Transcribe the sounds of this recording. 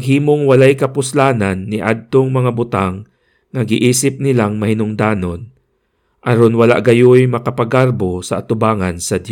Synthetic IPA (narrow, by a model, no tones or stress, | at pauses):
ɡɦiːmoŋwɐlajkɐpʊslaːnanːɪʔad̪̚t̪oŋmɐŋabʊt̪aŋː | ɐɡɪʔiːsɪp̚nɪlaŋmɐhɪnʊŋd̪aːno̞n | ʔɐɾonwɐla̰ʔɡɐjojmɐkɐpɐɡaɾbosɐʔːt̪ʊbaːŋɐnsɐd̪jo